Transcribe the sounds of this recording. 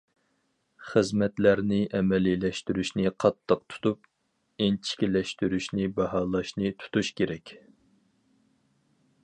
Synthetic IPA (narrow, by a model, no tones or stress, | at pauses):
χəzmɛt̪læɾnɪʔɛmɛlilɛʃt̪yɾyʃnɪqʰɑt̪ʰːəqt̪ʰu̥t̪up̚ | ent͡ʃʰɪ̥kʲilɛʃt̪yɾyʃnɪbɑɦɑːlˠɑʃnɨt̪ʰu̥t̪uʃkʲeɾɛkʲ